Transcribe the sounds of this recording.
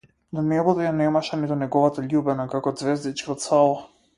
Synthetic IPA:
d̪anɛbud̪ɛjanɛmaʃɛnit̪ɔnɛɡɔvat̪aʎʲubɛnakakɔd̪zvɛzd̪it͡ʃkaɔt̪salˠɔ

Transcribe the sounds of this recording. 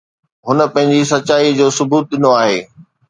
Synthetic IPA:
ɦʊnə̆pɐ̃ɦɪ̃ɲd͡ʑis̬ɐt͡ɕaːid͡ʑoːsʊbuːt̪̚ɗɪnoaːɦeː

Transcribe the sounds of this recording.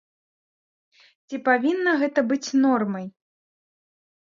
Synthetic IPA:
t͡sʲipavʲinːɐɣɛt̪ɐbɨt͡sʲnɔrmɐj

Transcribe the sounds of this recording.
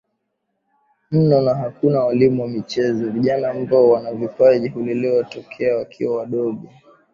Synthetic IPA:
m̩nɔnaɦakunawalimuwamit͡ʃɛzɔviʄanaːmbaɔwanavipaʄiɦuliliwatɔkʰɛawakʰḭwawaɗɔɓi

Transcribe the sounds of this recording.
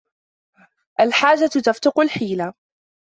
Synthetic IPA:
ʔalħaːd͡ʒat̪t̪aft̪ʊqʊlħiːla

